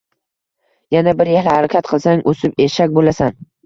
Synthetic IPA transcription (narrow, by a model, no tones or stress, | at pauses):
janabɪɾjehlɪhaɾakʲʰat̪qʰɨlˠsaŋosɪpeʃakʲbolasan